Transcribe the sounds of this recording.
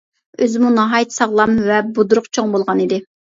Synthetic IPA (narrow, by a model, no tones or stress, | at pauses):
øzɪmunɑɦɑjt̪ʰsɑʁlˠɑmvɛbud̪ɾʊqt͡ʃʰoŋbolˠʁɑnid̪ɪ